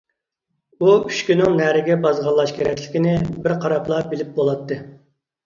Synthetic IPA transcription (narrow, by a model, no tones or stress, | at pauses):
uyʃkʲynɪŋnæɾɪɡʲɛbɑzʁɑlˠːɑʃkʲʰeɾɛkʲlɪ̥kʲinɪbɪɾqʰɑɾɑplˠɑbɪlɪp̚bolˠɑt̪ːɨ